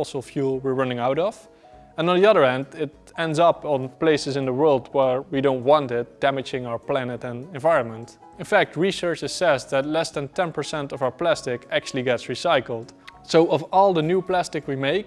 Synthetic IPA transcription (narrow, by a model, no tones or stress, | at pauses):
lˠsol̩ˠfjulˠwiɹɹʌnɪ̃ŋaʊɾʌv | ə̃nə̃ndðiʌðə˞ɛ̃ndɪɾ | ɛ̃ndzʌpn̩pl̥eɪsɨzɨ̃ndðəwɜ˞lˠdwə˞widõʊ̃nt̚wɑ̃ntɪt̚d̥æmɨd͡ʒɪ̃ŋaʊə˞pl̥ænɨɾɨ̃nɨ̃nvaɪɹə̃nmə̃nt | ɨ̃nfæk̚t̚ɹisɜ˞t͡ʃɨsɛsðɨtˡlɛsðɨ̃ntɛ̃npə˞sɛ̃ntʌvaʊə˞plæstɪkæk̚t͡ʃʉl̩ˠiɡɛtsɹisaɪkl̩ˠd̥soʊʔʌvɔlˠðənjuplæstɨkwimeɪk̚